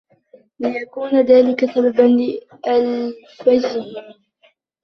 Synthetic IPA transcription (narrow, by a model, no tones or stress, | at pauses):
lɪjakuːnaðaːlɪkasababanlɪ | ʔal | fad͡ʒɪhɪ